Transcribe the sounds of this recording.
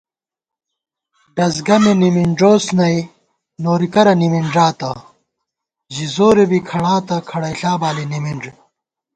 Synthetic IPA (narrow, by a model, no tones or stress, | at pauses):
ɖɐzɡɐmenimiɳɖoːsnɐj | noːɾikɐɾɐnimiɳʐaːt̪ɐ | ʑizoːɾebikʰɐɽaːt̪ɐkʰɐɽɐjɬaːbaːlinimiɳʐe